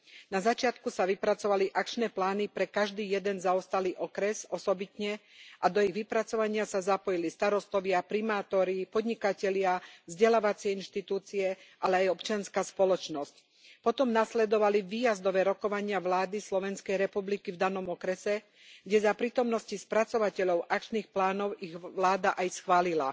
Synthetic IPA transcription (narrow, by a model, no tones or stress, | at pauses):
nazat͡ʃɪat̪kusaʋipɾat͡sɔʋaliʔakt͡ʃnɛːplaːnipɾɛkaʒd̪iːjɛd̪ɛnzaɔst̪aliːʔɔkɾɛsɔsɔbit̪ɲɛʔad̪ɔiɣʋipɾat͡sɔʋaɲɪasazapɔjilist̪aɾɔst̪ɔʋɪapɾimaːt̪ɔɾipɔd̪ɲikacɛlɪavzɟɛlaːʋat͡sɪɛinʃt̪it̪uːt͡siɛʔalɛajɔpt͡ʃɪanskaːspɔlɔt͡ʃnɔsc | pɔt̪ɔmnaslɛd̪ɔʋaliʋiːjazd̪ɔʋɛːɾɔkɔʋaɲɪaʋlaːd̪islɔʋɛnskɛjɾɛpublikivd̪anɔmɔkɾɛsɛ | ɡɟɛzapɾiːt̪ɔmnɔscispɾat͡sɔʋacɛʎɔʊʔak̚t͡ʃniːxplaːnɔʊiɣʋlaːd̪aʔajsxʋaːlila